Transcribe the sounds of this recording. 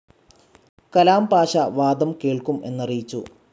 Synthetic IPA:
kɐlaːmpaːʂɐʋaːd̪ɐmkeːɭkume̞nːɐrijit͡ɕːṵ

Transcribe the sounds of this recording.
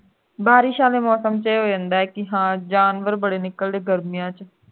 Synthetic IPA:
baːɾiːʃaːleːmɔːsəmt͡ʃeeɦoːd͡ʒãːnd̪aːɛːkɪɦãːd͡ʒaːnʋəɾbəɽeːnɪkːəld̪eːɡəɾmɪjãːt͡ʃ

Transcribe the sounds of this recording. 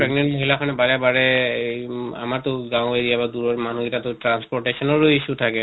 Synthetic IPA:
pɹɛɡnɛntleɦilakʰanɛbaɹɛbaɹɛ | a̰maɹtʊɡãwʊ̃jdijabaduɹɔɹmanuɡitatʊtɹanspɔɹʈesɔnɔɹoisutʰakɛ

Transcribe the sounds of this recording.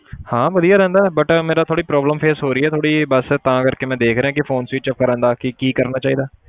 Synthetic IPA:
hãːʋəd̪ijaːɾɛ̃ːnd̪aːɛbəʈmeːɾaːt̪ʰoːɽiːpɾɔːbləmpʰeːsɦoːɾəiːɛːt̪ʰoːɽiːbəst̪ãːkəɾkeːmɛ̃ːd̪eːkʰɾeɦãːkɪfʰoːnsiːʈt͡ʃəp̚kəɾə̃ːnd̪aːkɪkiːkəɾnaːt͡ʃaːiːd̪aː

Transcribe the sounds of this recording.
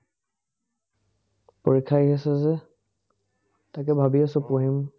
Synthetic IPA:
poɹikʰajɦesɛzɛ | tak̬ɛbʱabiasɔpoɦim

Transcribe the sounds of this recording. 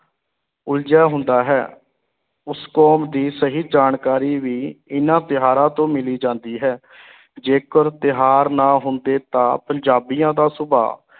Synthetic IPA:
ʊld͡ʒaːɦʊ̃nd̪aːɦɛ̰ː | ʊskɔːmd̪iːsəɦiːd͡ʒaːɳkaːɾiːʋiːɪnãːt̪ɪɦaːɾãːt̪õːmɪliːd͡ʒãːnd̪iːɦɛː | d͡ʒeːkəɾt̪ɪɦaːɾnãːɦʊnd̪eːt̪ãːpəɲd͡ʒaːbijãːd̪aːsʊbʱa̰ː

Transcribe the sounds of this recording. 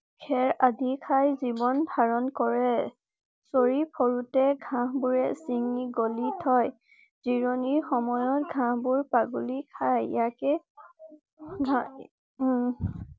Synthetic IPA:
kʰɛɹadikʰajzibɔndʱaɹɔnkɔɹɛ | soɹipʰɔɹutɛɡʱãɦbuɹɛsiŋiɡolitʰɔj | z̥iɹoniɹxɔmɔjɔt̚ɡʱãbuɹpaɡulikʰajjakɛ | ɡʱa

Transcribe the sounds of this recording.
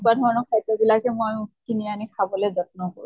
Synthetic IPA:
badʱɔɹɔnɔkʰajtɔbilakɛmojkinianikʰabɔlɛd͡zɔt̪̚nɔkoɹu

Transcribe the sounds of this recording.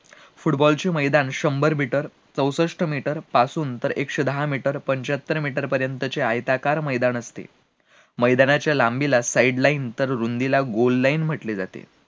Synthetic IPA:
fuʈbɔlt͡ɕeməjd̪anɕəmbəɾmʱiʈəɾ | t͡səwsəʂʈəmiʈəɾpasuːnt̪əɾekʂəd̪əɦamiʈəɾpəɲt͡ɕat̪ːəɾmiʈəɾpəɾjənt̪ət͡ɕeajt̪akaɾməjd̪anəst̪ḛ | məjd̪anat͡ɕjalambilasaiɖlaint̪əɾɾund̪ilaɡollainm̤əʈled͡zat̪ḛ

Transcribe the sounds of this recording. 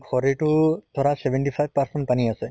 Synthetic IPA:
kʰɔɾiʈut̪ʰɔɾasebeɳʈifʰajbpaɾseɳʈ̚paniasɛ

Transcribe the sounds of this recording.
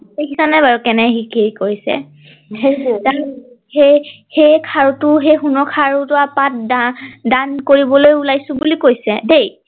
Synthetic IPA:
ekʰitʰanɛbaɹukɛnɛɦikiɹikoɹisɛ̰ | ta | he | hejkʰaɹutʊɦejxunɔkʰaɹutʊapat̚dadankoɹibɔlojulajsʊ̃bulikojsɛ̰dej

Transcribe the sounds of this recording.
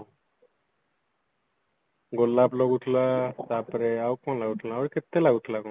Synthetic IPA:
ɡolːaploɡuʈʰlat̪apɾeawkɔnlaɡuʈʰlaawɾkɪt̪ːelaɡuʈʰlako

